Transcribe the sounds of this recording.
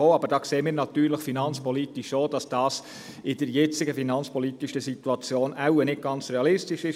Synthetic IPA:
oːɑbəɾd̥ɑːkseːmiːɾnɑt̪yːɾləχfinɑnt͡spɔlitiʃoːd̥ɑsd̥ɑːs | ɪd̥əɾjɛt͡sɪɡəfinɑnt͡spɔlitiʃəsituɑt͡sjoːnʔæwənɪt̚ɡ̥ɑnt͡sɾeɑlɪstiʃɪʃ

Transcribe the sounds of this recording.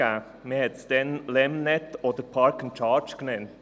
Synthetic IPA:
æː | məhɛtsd̥̪ɛnlɛmnɛt̪ɔd̥̪əɾpʰɑɾkənt͡ʃɑːɹt͡ʃknɛnt

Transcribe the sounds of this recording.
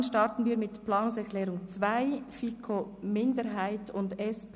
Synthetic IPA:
nʃtɑɾtən̩viːɾmɪtpʰlɑːnʊŋsɛɾkʰlɛːɾʊŋt͡svaɪfikʰomɪndəɾɦaɪtʊndɛsp

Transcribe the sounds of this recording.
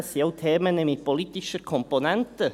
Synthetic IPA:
sioʊt̪ʰeːmənɛmɪpoliːt̪ɪʃəkʰɔmponɛnt̪ə

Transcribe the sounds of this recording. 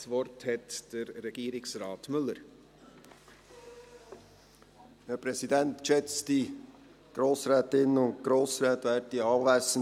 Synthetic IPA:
sʋɔɾthɛt̪d̪̥ɛɾːɛɡ̥iːɾɪksɾɑːt̪mʏlːəɾ | hæːɾpʰɾɛsidɛnt̪ʃɛt͡sd̥i | ɡ̥ɾoːsɾɛːt̪ɪnənʊndɡ̥ɾoːsɾɛːt̪ʋæːɾt̚diɑːʋæɪsən

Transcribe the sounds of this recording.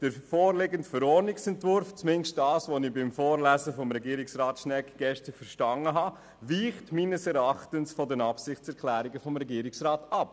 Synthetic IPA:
d̥əɾfoːɾlɪɡəntfəɾɔːɾnɪksɛntvʊɾft͡smɪnʃt̚d̥ɑːsʋonɪbɪmfoːɾlæzəfɔmɾɛɡiːɾɪksɾɑːtʃnɛkɡ̥ɛʃtəfəɾʃtɑŋəɦɑ | viːχtmiːnəsɛɾɑχtənsfɔdənɑpsɪχt͡sɛɾklæːɾiɡəfɔmɾɛɡiːɾɪksɾɑːtɑp

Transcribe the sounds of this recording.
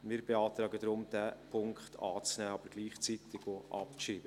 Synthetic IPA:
mɪːɾbeɑːt̪ɾɑːɡədɾʊmd̥æpʰʊŋkχtʰɑ̰ːt͡snæːɑb̥əɾɡ̥liːχt͡sit̪ɪɡ̥oʔɑpkʃiːb̥ə

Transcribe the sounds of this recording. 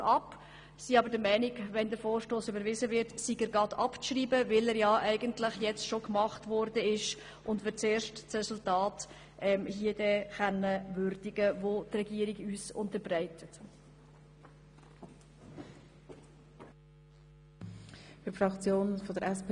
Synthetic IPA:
ɑp | siɑbəɾdəmɛɪniɡvɛndəɾfoːɾʃtoːsybəɾvɪzəvɪɾtsiɡəɾɡɑdɑpt͡sʃriːbəvɪlɛɾjɑʔæɪɡəntlɪχjɛt͡stʃokmɑχtʋɔrdəɪʃ | ʔʊndʋɪt͡seːɾʃtt͡sɾɛsultɑːt | ʔɛmhiːədɛχɛnəvʏɾd̥ɪɡəvotrɛɡiːəɾiɡyːsʊ̰ntəɾbrɛɪtʰət | fyfɾɑkt͡sjoːnfodəɾɛsp

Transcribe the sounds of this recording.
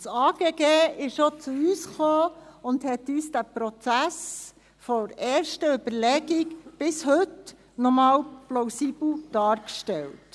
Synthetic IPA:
sɑːɡ̥eːɡeːɪʃʃɔt͡suyːsχoːʊndhɛtːyːsd̥æpɾɔt͡sæs | fɔɾɛːɾʃtəʏbəɾlɛɡɪkb̥ɪshɵt | nɔmɑːlploʊsiːb̥l̩d̥ɑːɾkʃtɛlt

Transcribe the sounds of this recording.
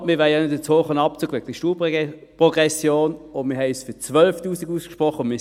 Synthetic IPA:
mɪːʋɛɪjanɪtət͡soːχənɑp̚t͡suːɡ̥ʋɛɡ̥̚d̥iʃtuːp | pʁɔɡʁɛsjoːnʊmiɐɦɛɪsfyɐt͡svœlftuːsiɡuskʃpʁɔχːəʊnmɪ

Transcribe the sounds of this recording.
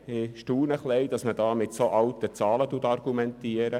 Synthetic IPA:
ɪʃtuːnəχleɪd̥̪ɑsməd̥ɑːmɪtsoʔɑwtət͡sɑːlətuətɑrɡ̥umɛntiːəɾə

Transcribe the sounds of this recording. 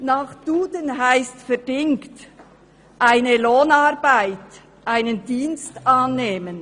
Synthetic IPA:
naːχd̥uːdənɦaɪstfɛɾdɪŋkt | ʔaɪnəloːnɑɾbaɪt | ʔaɪnəndiːnstʔɑːnːeːmən

